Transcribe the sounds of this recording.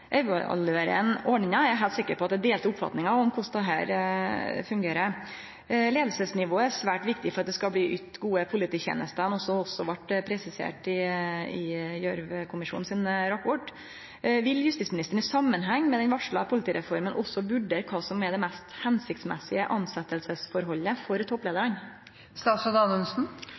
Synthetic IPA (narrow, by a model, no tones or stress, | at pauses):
ʔɛɑ̰løɾə̰nɔɳɪŋɑæɾæɦæɪlt̪sɪkːəɾpɔɑt̪d̪ɛd̪eːlt̪ʊpfɑ̰t̪nɪŋɑɔmkʰʊsd̪ɛɦæ̰ːɾ | fʉŋɡeːɾə | leːd̪l̩səsnɪʋoːəæɾsʋæːʈʋɪkt̪ɪfɔɾɑt̪d̪ɛskɑbliːʔyt̪ɡuːəpʰʊlɪt̪ʰiːçḛːnəst̪ənɔsːɔɔsːɔʋɑʈːpʰɾɛsɪsḛːʈɪɪjœɾʋkʰʊmɪʂṵːn̩sɪnɾɑpɔʈ | ʋɪljʉst̪it̪smɪnɪst̪əɳ̩ɪsɑmːənɦæŋːmɛd̪ɛnʋɑʂɭɑ̰pʰʊlɪt̪iːɾɛfɔɾmənʔɔsːɔbʉɖeːɾkʰɑːsɔmɛɾd̪ɛmɛst̪hɛnsɪkt̪smɛsɪəʔɑnsɛt̪ːəlsəsfɔɾɦɔlːəfɔɾt̪ʰɔpːleːd̪əɾən | st̪ɑːt̪sɔd̪ɑnʉnsn̩